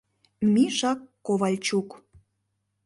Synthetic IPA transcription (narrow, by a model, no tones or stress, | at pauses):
miʒɑkːoβɑlʲt͡ɕuk